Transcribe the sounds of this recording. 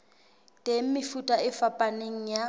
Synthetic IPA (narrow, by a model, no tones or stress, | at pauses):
tʼem̩mɪfutʼaɪfapʼaneŋ̩ja